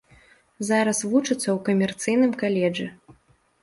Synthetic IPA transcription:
zaɾɐsvut͡ʂɨt̪sːɐwkɐmʲɛrt̪sɨjnɨmkalʲɛd͡ʐɨ

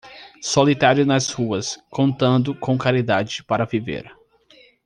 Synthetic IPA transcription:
solit̪aɾjʊnɐzhuɐskõnt̪ɐ̃nd̪ʊkõw̃kaɾid̪ad͡ʒɪpaɾɐvivḛɾ

